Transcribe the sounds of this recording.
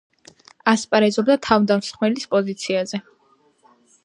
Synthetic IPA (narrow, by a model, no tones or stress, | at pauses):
aspʼaɾɛzɔbd̪at̪ʰavd̪amsχmɛlispʼɔzit̪sʰiazɛ